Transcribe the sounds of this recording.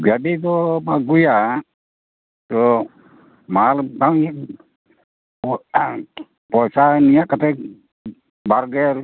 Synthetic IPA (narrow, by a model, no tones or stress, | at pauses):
ɡaɖit̪ɔmaɡuja | t̪ɔ | maalta | pɔjsanijakat̪ɛ | baɾɡɛɾ